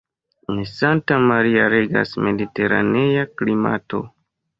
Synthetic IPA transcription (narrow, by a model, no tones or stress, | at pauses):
ensantamaɾiaɾeɡa̰sme̞dite̞ɾa̰neaklima̰to̞̰